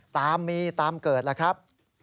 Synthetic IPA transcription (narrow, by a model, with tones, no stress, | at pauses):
t̪aː˧mːiː˧t̪aː˧mkɤː˨˩t̪̚la˧˩kʰɾa˦˥p̚